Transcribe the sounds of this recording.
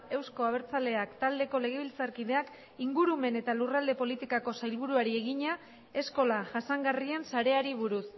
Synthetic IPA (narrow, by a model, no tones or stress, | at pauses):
e̞wsko̞aβe̞ɾt͡sale̞akt̪ald̪e̞ko̞le̞ɣ̞e̞β̞ilt͡saɾkiðe̞ak | iŋɡuɾume̞ne̞t̪alurald̪e̞po̞lit̪ikako̞sajlβ̞uɾuaɾie̞ɣ̞iɲa | e̞sko̞laʝasaŋɡarie̞nsaɾe̞aɾiβ̞uɾus